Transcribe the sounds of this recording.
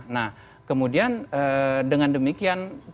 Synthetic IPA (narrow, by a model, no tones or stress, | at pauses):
nah | kəmudianədəŋandəmikian